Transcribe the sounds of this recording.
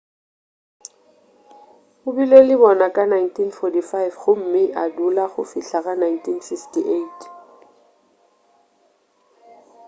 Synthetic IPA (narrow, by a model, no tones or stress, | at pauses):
mʊbilɔlɪbɔnakʼanajntʰinfɔtifajvχʊm̩mɪʔadulaχʊ̰fiɬaɣanajntʰinsɪkstiʔeitʰ